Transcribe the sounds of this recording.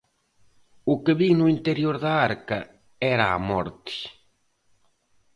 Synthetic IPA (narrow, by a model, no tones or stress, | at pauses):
ʊkɪβiŋnʊint̪eɾjoɾðɐaɾkɐ | ɛɾaa̰mɔ̰ɾt̪i̥